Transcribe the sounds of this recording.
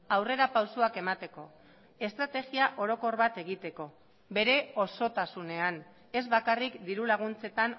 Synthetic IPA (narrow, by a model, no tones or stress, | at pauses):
awre̞ɾapawsuake̞mat̪e̞ko̞ | e̞st̪ɾat̪e̞ɣiaʔo̞ɾo̞ko̞rβat̪e̞ɣ̞it̪e̞ko̞ | be̞ɾe̞o̞so̞t̪asune̞an | e̞zβakarikd̪iɾulaɣ̞unt͡se̞t̪an